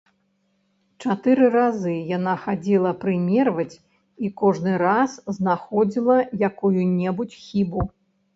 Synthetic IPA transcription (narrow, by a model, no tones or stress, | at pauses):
t͡ʂat̪ɨɾɨrazɨjanaxad͡zʲilˠɐpɾɨmʲɛrvɐt͡sʲ | ikɔʐnɨɾasznaxɔd͡zʲilˠɐjakujunʲɛbut͡sʲxʲibu